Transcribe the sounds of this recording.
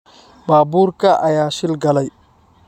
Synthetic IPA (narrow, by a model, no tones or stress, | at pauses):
baːbuɾkaʔajaːʃilɡɐlaj